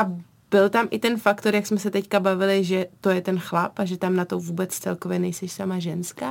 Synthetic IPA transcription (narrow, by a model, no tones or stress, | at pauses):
ʔa | bɪlt̪amʔɪt̪ɛnfakt̪o̞ɾjaksmɛsɛt̪ɛckabavɪlɪʒɛt̪o̞jɛt̪ɛnxlapaʒɛt̪amnat̪ovuːbɛt͡st͡sɛlkovjɛnɛjsɛʃsamaʒɛnskaː